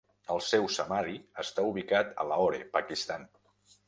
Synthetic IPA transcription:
əlˠsɛwsəmaɾiəst̪auβikat̪ə̰laɔɾepəkist̪an

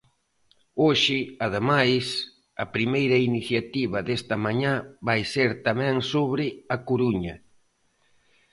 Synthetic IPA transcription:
oʃɪɐð̞emajs | ɐpɾimejɾɐiniθjat̪iβɐðest̪ɐmaɲaβajseɾt̪amɛ̃ŋsoβɾɪɐkuɾuɲɐ

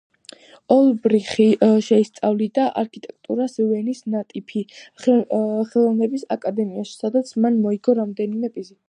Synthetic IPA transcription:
ɔlˠbɾiχiʃɛist̪sʼavlid̪aʔa̰ɾkʰit̪ʼɛk̚ʰt̪ʼṵɾasvɛnisnat̪ʼipʰi | χɛlˠɔvnɛbisakʼad̪ɛmiaʃi̥sad̪at̪sʰmanmɔiɡɔɾamd̪ɛnimɛpʼizi

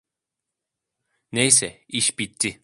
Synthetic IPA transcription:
nejs̬ɛiʃbit̪ʰːi

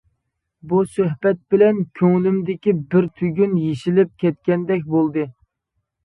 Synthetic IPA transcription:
busøɦbɛt̪̚bɪlɛnkʲʰøŋlymd̪ɪkʲibɪɾt̪ʰyɡʲynjeʃilɪp̚kʲʰɛt̪̚kʲɛnd̪ɛkʲbolˠd̪ɨ

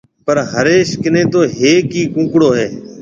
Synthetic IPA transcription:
pəɾɦəɾeːʃkɪnẽːt̪oːɦeːkiːkũːkɽoːɦeː

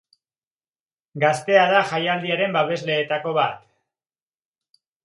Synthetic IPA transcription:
ɡast̪e̞aðaxajald̪iaɾe̞mbaβe̞zle̞ːt̪ako̞βat̪

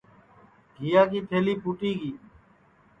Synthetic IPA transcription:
ɡʱijaːk̬iːt̪ʰeːliːpuːʈiːɡiː

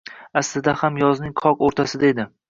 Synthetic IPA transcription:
aslɪd̪ahamjɒznɪŋqʰɒqoɾt̪ʰasɪd̪ae̞d̪ɪ

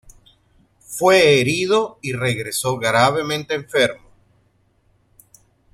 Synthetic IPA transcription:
fwe̞ːɾiðoire̞ɣɾe̞so̞ɣɾaβe̞mẽ̞nt̪eːɱfe̞ɾmo

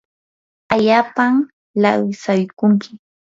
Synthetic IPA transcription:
aʎaːpam | lawsajkʊŋkɪ̥

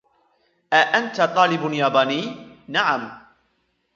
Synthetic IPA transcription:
ʔaʔant̪at̪ˤɑːlɪbnjaːbaːniːnaʕam

